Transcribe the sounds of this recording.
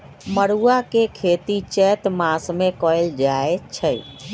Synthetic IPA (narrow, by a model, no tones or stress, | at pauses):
məɽuakekʰeːt̪it͡ʃɛːt̪mãsmẽkɔjld͡ʒaet͡ʃʰəj